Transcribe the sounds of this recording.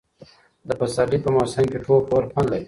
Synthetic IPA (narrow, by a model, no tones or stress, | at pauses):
d̪əpasɑɖipəmosɪmkeʈʰolpoɾpʰɑnlai